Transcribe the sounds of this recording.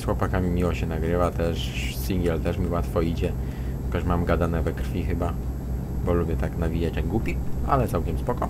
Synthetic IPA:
sxwɔpakamʲimʲiwɔɕɛnaɡɾɘvat̪ɛʂsiŋɡʲɛlt̪ɛʂmʲiwat̪fɔid͡ʑɛ | kɔʂmamɡad̪anɛvɛkɾfʲixɘba | bɔlubʲjɛt̪aknavʲid͡ʑat͡ɕtaɡɡwupʲia̰lɛt̪sawkʲɛmspɔkɔ

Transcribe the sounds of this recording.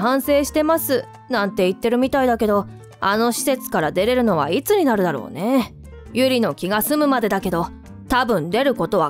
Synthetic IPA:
ɦãɰ̃se̞ːɕi̥t̪e̞masɨ | nãnt̪e̞it̪ːe̞ɾɯ̟mʲit̪aid̪ake̞d̪o̞ | ano̞ɕi̥se̞t͡sɨ̥kaɾad̪e̞ɾe̞ɾɯ̟no̞βa̰it͡sɨɲ̟inaɾɯ̟d̪aɾo̞̰ːne̞ | jɯ̟ɾʲino̞kʲiɡasɨmɯ̟mad̪e̞d̪ake̞d̪o̞ | t̪abɯ̟̃nd̪e̞ɾɯ̟ko̞t̪o̞βa

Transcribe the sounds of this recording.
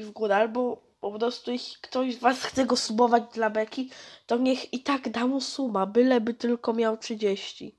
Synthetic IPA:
vɡuɾɛalbɔ | pɔpɾɔst̪ujɛɕʲi̥kt̪ɔʑzvasxt̪sɛɡɔsubɔvad͡ʑd̪labɛkʲit̪ɔɲɛxit̪aɡd̪amusumabɘlɛbɘt̪ɘlkɔmʲjawtʂɘd͡ʑeɕt͡ɕḭ

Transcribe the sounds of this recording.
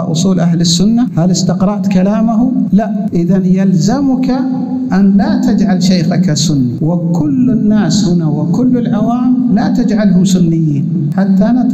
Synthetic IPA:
ʔʊ̰sˤuːlʔaɦlɪsːʊnːahalɪst̪ɪqɾˤɑʔt̪kalaːmaɦulaʔ | ʔɪðanjalzamʊka | ʔanlat̪ad͡ʒʕalʃaːxakasʊnːawɪkʊlːɪnːaːshɪnawɪkʊlːɪlʕawaːmlat̪ad͡ʒʕalɦʊmsʊnːɪjːiːn | ħat̪ːaʔana

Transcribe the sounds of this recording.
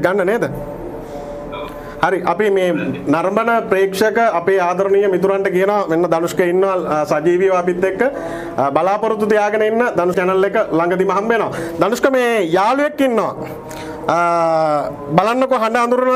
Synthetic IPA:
ɡanːəneːd̪ə | haɾiʔapimeːnaɾmbənəpɾeːkʂəkəapeːaːd̪ʱɐɾonijəmit̪uɾaɳʈəkijənoʋamenːɐd̪ɐnuskəinːoʋasad͡ʒiːʋijʋaːpit̪ːekːə | balaːpɐɾut̪ːut̪ijaːɡənəinːəd̪anuskɛnɐlːekːəlaŋɡəd̪imɐɦɐmʋenoʋad̪anuskəmeːjaːluekːinːoʋa̰ | balanːokoɦaɳɖaːnd̪uɾun

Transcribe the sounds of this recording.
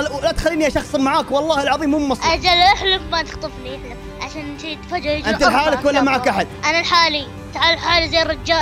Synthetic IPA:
lat̪xalːiːnijaʃɑxsˤmaʕaːkwɑlˤːɑːhɪlʕɑðˤiːmʊmːɑsˤʔad͡ʒalʔɪħlʊfmat̪ɪxt̪ˤɨfniʔɪħlɪf | ʕaʃaːnʃijt̪fad͡ʒaʔɪnt̪alħaːlɪkwalːamaʕakʔaħad̪̚ʔanalħaːli | t̪aʕalħaːlizajrˤɪd͡ʒːaː

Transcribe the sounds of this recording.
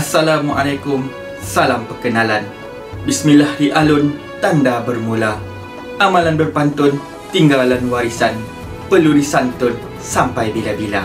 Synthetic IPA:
asalamwaʔalajkʊm | salampərkənalan | bismilahiʔalʊn | t̪andabərmula | ʔamãlanbərpant̪ʊn | t̪iŋɡalanwaɾisan | pəludisant̪ʊn | sampajbilabila̰

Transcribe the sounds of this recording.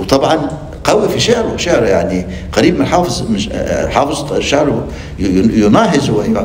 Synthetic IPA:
wt̪ˤɑbʕɑn | qɑwifiʃɪʕɾʊʃɪʕɾjaʕni | qɑɾiːbmɪnħɑːfɨzˤmɪ̰ħɑːfɨzˤʃːaʕɾ | jʊnɑːɦɪzwa

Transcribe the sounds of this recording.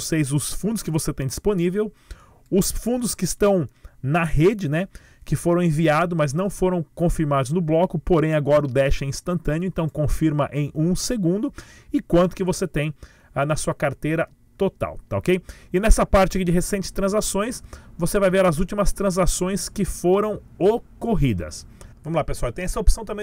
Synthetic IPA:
sejzʊsfũnd̪ʊskɪvoset̪ẽj̃d͡ʒisponivew | ʊsfũnd̪ʊskɪːst̪ɐ̃w̃nɐhed͡ʒɪnɛ | kɪfoɾɐ̃w̃ẽviad̪ʊmɐznɐ̃w̃foɾɐ̃w̃kõfiɾmad̪ʊznʊblɔkʊpoɾẽj̃aɡɔɾɐʊd̪ɛʃɐ̃ĩst̪ɐ̃nt̪ɐ̃niʊẽnt̪ɐ̃w̃kõfiɾmɐʔẽj̃ʔũseɡũnd̪ʊ | ɪkwɐ̃nt̪ʊ̥kɪvoset̪ẽj̃ | anɐsuɐkaɾt̪ejɾɐ | t̪ot̪a̰wt̪ao̰kejɪnɛsɐpaɾt͡ʃɪakid͡ʒɪɦesẽnt͡ʃɪ̥st̪ɾɐ̃zasõj̃svosevajveɾɐzuwt͡ʃimɐst̪ɾɐ̃zasõj̃skɪfoɾɐ̃w̃ | okoɦid̪ɐ̰s | vɐ̃mʊlapesuawt̪ẽj̃ɛsɐopsɐ̃t̪ɐ̃mẽ

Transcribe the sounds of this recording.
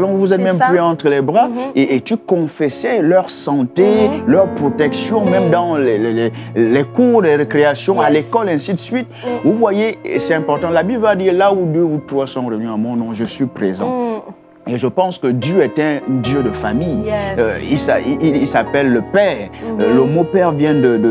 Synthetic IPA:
alɔ̃vuzɛt̪mɛ̃mplyɑ̃t̪χəlɛbʁaeʔet̪ykɔ̃fɛsɛlœʁsɑ̃t̪elœʁpχɔt̪ɛksjɔ̃mɛ̃md̪ɑ̃lɛlɛlɛlɛkuʁdɛʁekχeasjɔ̃alekɔlɛ̃sid̪əsɥit̪̚vuvwajesɛtɛ̃pɔʁt̪ɑ̃labibləvad̪iːʁlaud̪øut̪χwasɔ̃ʁəvnyamɔ̃nɔ̃ʒəsɥipχezɑ̰̃ | eʒəpɑ̃skəd̪jøɛt̪ɛ̃d̪jød̪əfamij | isaiiilsapɛlːəpɛːʁləmopɛʁvjɛ̃d̪əd̪ə

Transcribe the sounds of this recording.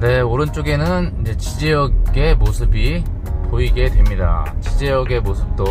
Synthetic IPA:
ne̞oɾɯnt͡ɕ͈oɡe̞nɯnid͡ʑe̞t͡ɕid͡ʑejʌɡɡe̞mosʰɯbi | poiɡe̞dwe̞mɲida̰t͡ɕid͡ʑejʌɡe̞mosʰɯp̚t͈o

